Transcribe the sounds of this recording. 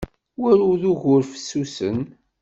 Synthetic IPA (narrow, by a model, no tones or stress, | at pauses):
wæɾʊðuʝʊɾfə̥sːusə̰n